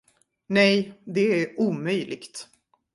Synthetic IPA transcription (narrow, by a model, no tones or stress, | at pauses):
nɛjd̪ɛæɾuːmœjlɪɡt̪